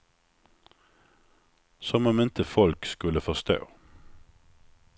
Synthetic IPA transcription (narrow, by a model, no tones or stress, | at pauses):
sɔmɔmɪnt̪ʰəfɔlkskʉləfɔʁst̪o̰ː